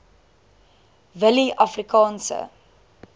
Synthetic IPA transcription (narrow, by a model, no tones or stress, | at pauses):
vəliʔɐfrikɑːnsə̰